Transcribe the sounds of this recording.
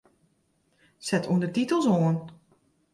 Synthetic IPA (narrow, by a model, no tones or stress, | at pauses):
sɛtʰuəndətitəlˠsoən